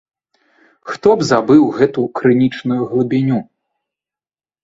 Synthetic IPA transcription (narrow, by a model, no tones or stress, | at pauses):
xt̪ɔbzabɨwɣɛt̪ukɾɨnʲit͡ʂnujuɣlˠɨbʲinʲu